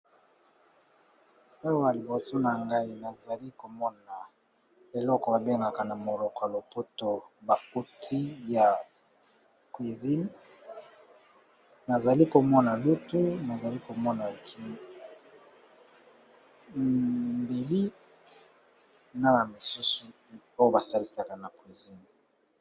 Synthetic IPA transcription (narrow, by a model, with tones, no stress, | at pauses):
a˦wa˨li˨bo˨so˦na˨ŋɡa˦i˦na˨za˨li˦ko˨mɔ˦na˨ | e˨lɔ˦kɔ˨ba˨be˦ŋɡa˨ka˨na˨mo˨lɔ˨kɔ˨a˨lo˨po˦to˨ba˨ko˦ti˦ja˨ | kwi˨zi˦n | na˨za˨li˦ko˨mɔ˦na˨lu˦tu˦na˨za˨li˦ko˨mɔ˦na˨kʰi˦ | mbe˨li˦ | na˦na˨mi˨su˦su˨ | o˦jo˦ba˨sa˦li˦sa˨ka˨na˨kwi˨zi˦n